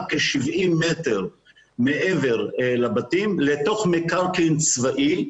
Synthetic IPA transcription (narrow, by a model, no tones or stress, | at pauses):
keʃivimːeteʁ | meʔeveʁlabat̪imlet̪o̞χmekaʁkint͡svaʔi